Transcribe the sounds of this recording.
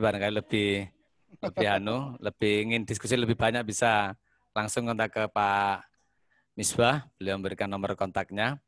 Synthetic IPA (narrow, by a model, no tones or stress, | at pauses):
baɾəŋkajiləb̥ɪh | ləb̥ɪɦanuləb̥ɪhiŋɪnd̥iskus̬iləbɪhb̥aɲak̚b̥isa | laŋsʊŋkənt̪akəpa | misbahb̥əliawməmbəɾikanːɔmərkɔnt̪ak̚ɲa